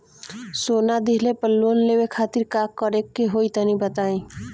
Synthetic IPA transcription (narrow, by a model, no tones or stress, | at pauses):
soːnad̪iɦlepəlːoːnleːwekʰaːt̪iɾkaːkːɔɾekːeɦoːit̪ənĩbət̪aːĩ